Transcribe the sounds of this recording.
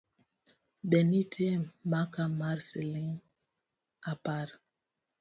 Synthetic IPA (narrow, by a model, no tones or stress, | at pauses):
bɛnitʰɛmakamaɾseliŋ | apaɾ